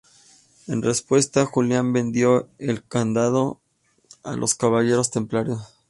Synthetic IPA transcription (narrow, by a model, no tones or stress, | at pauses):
e̞̰nre̞spwe̞st̪axuljambe̞nd̪jo̞e̞lkand̪að̞o̞ | a̰lʔo̞skaβaʝe̞ɾo̞st̪e̞mplaɾjo̞s